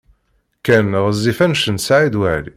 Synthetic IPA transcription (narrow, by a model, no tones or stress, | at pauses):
kænʁəzːifænʃənsʕid̪waʕli